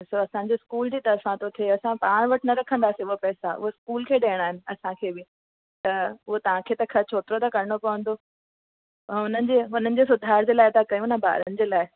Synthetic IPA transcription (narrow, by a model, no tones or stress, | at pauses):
soːɐsãɲ̆d͡ʑeskuːld͡ʑiːt̪ɐɾfãt̪ot̪ʰieɐsãpaːɽ̃ʋɐʈʰnɐɾɐkʰə̃nd̪aːsiʊɦopɛːsaʊ̰ɦoskuːlkʰeːɗɐːɪɽ̃aːɦɪnɪ̆ɐsãkʰeːbɪ | t̪ɐʊɦot̪ɐʋ̤ãkʰeːt̪ɐkʰɐt͡ɕʰoːt̪ɾot̪ɐkɐɾɪɽ̃opɐʋə̃n̆d̪oː | ɦʊn̤ənɪ̆d͡ʑeːɦʊn̤ənɪ̆d͡ʑesʊd̪ʱaːɾd͡ʑeːlaːɪd̪akɐjũnaba̰ːɾənɪ̆d͡ʑeːlaːɪ